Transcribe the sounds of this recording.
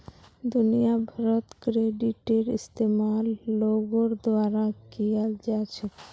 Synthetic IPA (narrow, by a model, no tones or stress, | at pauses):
d̪unijabʱaɾot̪kɾeɖiʈeɾḭst̪emalːoɡoɾd̪oaɾakiald͡ʑat͡ɕʰe